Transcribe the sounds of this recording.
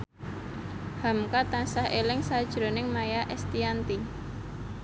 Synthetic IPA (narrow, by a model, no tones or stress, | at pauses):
ha̤mkat̪ansahʔelɪŋsad̥ʒ̥ɾo̤nɪŋmajaʔɛst̪iant̪i